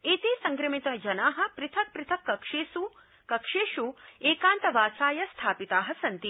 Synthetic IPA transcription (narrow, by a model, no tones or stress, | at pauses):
eːt̪eːsɐŋɡɾɐmit̪ɐd͡ʒɐnaːɦɐ̆pɾɪt̪ʰɐk̚pɾɪt̪ʰɐkːɐkʂeːsu | kɐkʂeːʃueːkaːnt̪ɐʋaːsaːjɐst̪ʰaːpit̪aːɦɐsɐnt̪i